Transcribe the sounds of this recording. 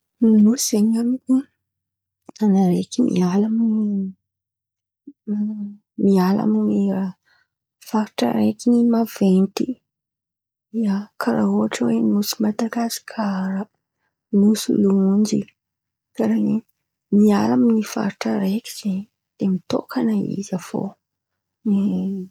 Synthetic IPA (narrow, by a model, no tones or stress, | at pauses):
nusz̥eɲamiku | anaɾekʲimḭalamini | miala̰miniɾa | faɾiʈ͡ʂa̰ɾekinimavent̪i | iakʰaɾauaʈ͡ʂəwenusimad̪aɡasi̥kʰaɾa | nusṵluund͡ʒḭ | kaɾeni | mialaminifa̰ɾiʈ͡ʂəɾekʲi̥z̥eɲ | d̪̥emit̪o̰kʰanaḭzafo̰ | e